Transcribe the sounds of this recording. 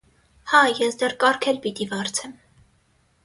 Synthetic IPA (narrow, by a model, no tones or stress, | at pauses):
hɑjɛsd̪ɛrkɑɾkʰɛlpit̪ivɑɾt͡sʰɛm